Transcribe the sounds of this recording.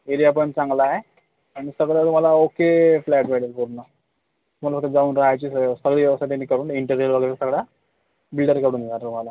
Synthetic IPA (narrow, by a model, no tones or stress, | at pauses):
eɾijap̬əɳt͡sãŋɡlaɦe | aɽ̃isəɡɭat̪um̤alaokeflæʈʋeɽəɾkuɾna | t̪umalafək̪̚t̪ed͡zauːnɾaɦajt͡ɕisəsəɡɭiːʋjəʋəst̪aʈ̪enːiːkəɾuːniɳʈəɾelʋəɡəjɾəsəɡɭa | bilɖəɾkəɽuːnd̪enaɾt̪um̤ala